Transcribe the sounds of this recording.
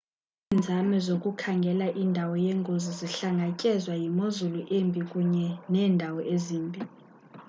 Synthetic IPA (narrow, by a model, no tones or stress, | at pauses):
ind͡zʱamɛzokʼukʰaŋɡʱɛlaʔindʱawɔjɛŋɡʱoziziɬaŋɡʱacʼɛzwajimozuluʔembʱʼikʼuɲɛnɛːndʱawɔʔeziːmbʱʼi